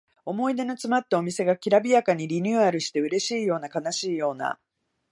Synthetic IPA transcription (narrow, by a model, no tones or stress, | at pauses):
o̞mo̞id̪e̞no̞t͡sɨmat̪ːao̞mʲise̞ɡakʲiɾabʲijakaɲ̟iɾʲiɲ̟ʲɨaɾɯ̟ɕi̥t̪e̞ɯ̟ɾe̞ɕiːjo̞ːnakanaɕiːjo̞ːna̰